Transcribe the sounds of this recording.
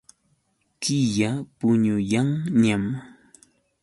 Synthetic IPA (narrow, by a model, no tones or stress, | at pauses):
kɪjapʊɲʊjaŋɲam